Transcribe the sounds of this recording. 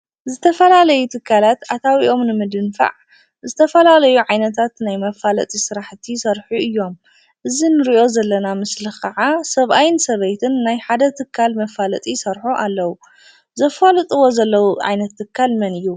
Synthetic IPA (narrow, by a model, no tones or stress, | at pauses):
zɨt̪ʰɐfɐlalɐjut̪ʰɨkʰːalat̪at̪ʰawiʔo̞mnɨmɨd̪ɨnfa̰ʕ | zɨt̪ʰɐfɐlalɐjuʕajnɐt̪ʰat̪najmɐfalɐ̰t̪ʼisɨɾaħt̪ʰisɐɾħuɨjːo̞m | ʔɨzinɨɾiʔo̞zɐlːɐnamɨslɨxʰɐʕasɐβʔajnsɐβejt̪ʰɨnːajħad̪ɐt̪ʰɨkʰːalmɐfalɐt̪ʼisɐɾħuʔalːɐwu | zɐfalɨt̪ʼɨwo̞zɐlːɐwuʕa̰jnɐt̪ʰːɨkʰːalmɐnɨjːu